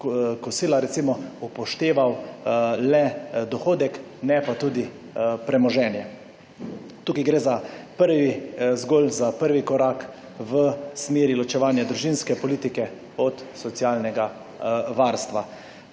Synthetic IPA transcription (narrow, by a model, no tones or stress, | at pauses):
kɔsiːlaɾɛt̪simɔupɔʃt̪eːʋaw | lɛd̪ɔxoːd̪ɛk | nɛpat̪uːd̪i | pɾɛmɔʒɛːnjɛ | t̪uːkajɡɾeːzapəɾʋizɡoːlzapəɾʋikɔɾaːk | ʋəsmeːɾilɔt͡ʃɛʋaːnjad̪ɾuʒinskɛpɔliːt̪ikɛ | ɔt̪sɔt̪sjaːlnɛɡa | ʋaːɾst̪ʋa